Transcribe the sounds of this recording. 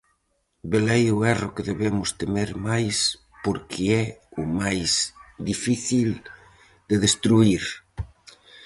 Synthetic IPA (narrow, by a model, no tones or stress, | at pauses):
belejʊɛrʊkeðeβemʊst̪emeɾmajs | poɾkʰeɛʊmajsd̪ifiθil | d̪eðest̪ɾuiɾ